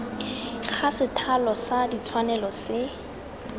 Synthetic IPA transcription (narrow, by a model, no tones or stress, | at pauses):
χʰasɪtʰalɔsadit͡sʰwanɛlɔsɪ